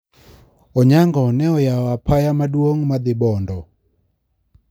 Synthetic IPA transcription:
ɔɲaŋɡɔnɛɔjawapʰajamadwoŋmad̪ɪbɔndɔ

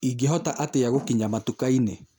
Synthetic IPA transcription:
iɡeɦɔtaʔateaɣokiɲamatukaine

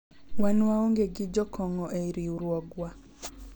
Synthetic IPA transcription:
wanwaoŋɡeɡɪd͡ʒɔkɔŋɔʔeiɾiuɾwɔɡwa

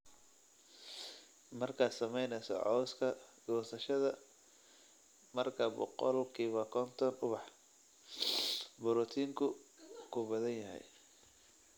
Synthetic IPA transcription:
mɐrkʰaːd̪sɐmɛjnɛsɔ̰ʕɔwskʰɐɡ̥ɔːsɐʃɐðɐ | mɐrkʰɐbɔ̰qɔ̰lkʰiːβɐkʰɔnt̪ʰɔnʊβɑħ | bʊɾɔt̪ʰiːŋkʰʊkʰʊbɐðɐnjɐɦɛ̰j

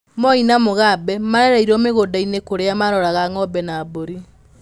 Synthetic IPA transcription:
mɔinamoɣabɛmaɾɛɾaiɾɔmeɣoːdainekoɾeamaɾɔɾaɣaŋɔbɛnaːboɾi

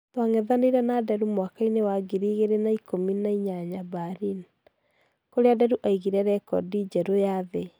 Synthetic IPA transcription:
twaŋɛðaneiɾɛnadɛɾumwakainewaɡiɾiːɣeɾenaikʰominaiɲaɲabaɾin | koɾeadɛɾuʔaiɣiɾɛɾɛkɔ̰did͡ʒɛɾojaðe

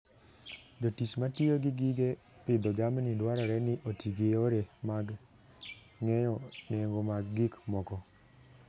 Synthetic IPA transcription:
d͡ʒotismatijoɡɪɡiɡe | pɪd̪ɔɡamnɪdwaɾɔɾɛnɪʔotiɡejoɾɛmaɡ | ŋɛjɔnɛŋɡomaɡːikmɔkɔ

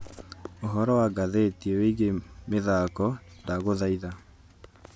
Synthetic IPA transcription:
oɦɔɾɔwaɡaðetieweiɣemeðaːkɔndaɣoðaiða

